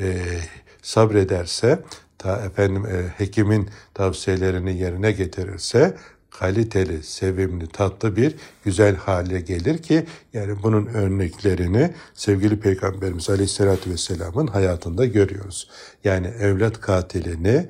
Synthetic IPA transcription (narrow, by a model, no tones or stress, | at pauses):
ɛ | sabɾe̞d̪æɾsɛt̪ʰaɛfænd̪imhecʰimint̪ʰavsije̞lʲe̞ɾinije̞ɾinɛɟe̞t̪ʰiɾḭɾsɛ | kʰalʲit̪ʰe̞lʲise̞vimlʲit̪ʰat̪lˠɯbiɾɟyzælʲhaːlʲɛɟe̞lʲiɾcʰijaːnibununøɾnɛcʰlʲe̞ɾinisɛvɟilʲipʰejɡambe̞ɾimizalʲɛçsːelʲaːt̪ʰyvɛsːelʲaːmɯnɦajaːt̪ʰɯnd̪aɟø̞ɾyjo̞ɾuz̥ | jaːniɛvlʲat̪kʰaːt̪ʰilʲini